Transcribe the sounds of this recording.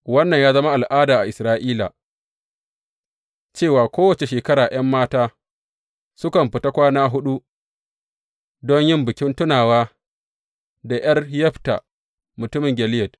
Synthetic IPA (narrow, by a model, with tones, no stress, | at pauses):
wɐ˦nːɐ˨ɲjaː˦zɐ˦ma˦ʔa˨lʔaː˦daː˨ʔa˨ʔɪ˨sɾaː˦ʔiː˦la̰ː˨ | t͡ʃeː˦˨waː˨kʷoː˦wɐ˨t͡ʃe˨ʃeː˨kɐ˦ɾaː˨j̰ɐ˦mːaː˦taː˦ | sʊ˦kɐ˨mɸɪ˨ta˦kʷaː˦naː˦ɦʊ˦ɗu˦ | dɔ˦ɲjɪ˦mbɪ˨kʲɪ˦ntʊ˦naː˨waː˦ | da˨j̰ɐ˦rjɐ˦ɸta̰˨ | mʊ˨tʊ˦mɪ˨ŋɡʲɛ˨lɪ˦jɛ˨d